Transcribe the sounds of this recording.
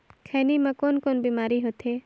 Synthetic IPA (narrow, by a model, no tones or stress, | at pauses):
kʰɛːnimãkoːnkoːnbiːmaːɾiɦot̪eː